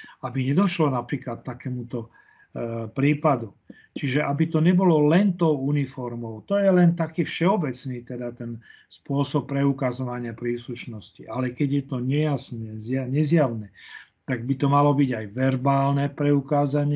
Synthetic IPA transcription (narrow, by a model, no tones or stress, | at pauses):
abiɲɛd̪ɔʃlɔnapɾiːklat̪ːakɛːmut̪ɔ | pɾiːpad̪u | t͡ʃiʒɛʔabit̪ɔɲɛbɔlɔlɛnt̪ɔʊunifɔɾmɔʊt̪ɔjɛlɛnt̪akiːfʃɛɔbɛt͡sniːt̪ɛd̪at̪ɛn | spʊɔsɔpːɾɛukazɔʋaɲɪapɾiːsluʃnɔsciʔalɛkɛɟjɛt̪ɔɲɛjasnɛzjaɲɛzjaʊnɛt̪aɡ̚bit̪ɔmalɔbiɟajʋɛɾbaːlnɛpɾɛukaːzaɲɪɛ